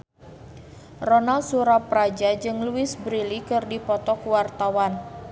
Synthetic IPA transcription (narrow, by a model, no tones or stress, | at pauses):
rɔnalsuɾapɾad͡ʒad͡ʒɨŋluɪsbɾilikɨrdipɔt̪ɔkuwart̪awan